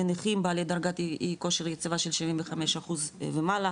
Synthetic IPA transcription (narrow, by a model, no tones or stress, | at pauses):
eneχimbaːled̪aʁɡat̪iiko̞ʃeʁjet͡sivaʃelʃivimveχameʃaχuzvemala